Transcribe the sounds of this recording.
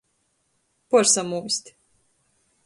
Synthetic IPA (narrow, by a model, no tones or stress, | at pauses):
pɔɾsamuːsʲt̪ʲ